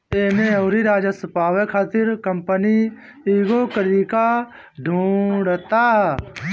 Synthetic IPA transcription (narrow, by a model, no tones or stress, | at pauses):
eːmẽoːɾiɾaːd͡ʒasəpaːʋekʰaːt̪ɪɾkəmpəni | iːɡoːkəɾiːka | ɖʱũːɖt̪aː